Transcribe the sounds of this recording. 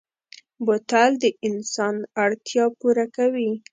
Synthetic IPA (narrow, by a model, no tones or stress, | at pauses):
bot̪ald̪əʔɪnsɑnaɽt̪jɑpuɾakawi